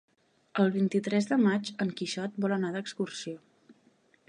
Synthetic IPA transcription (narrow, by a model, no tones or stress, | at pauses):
əlˠβint̪it̪ɾɛzðəmad͡ʒəŋkiʃɔt̪̚bɔlənaðəkskursio